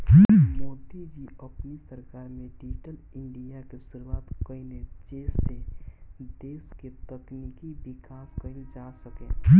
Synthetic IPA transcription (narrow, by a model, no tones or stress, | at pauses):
mɔːt̪id͡ʒiəpnisəɾkaːɾmẽɖɪd͡ʒʈəlɪ̃ɳɖijakesʊɾuwaːt̪kəined͡ʒeːse | d̪eːsket̪əknikibɪkaːskəined͡ʒasəkẽː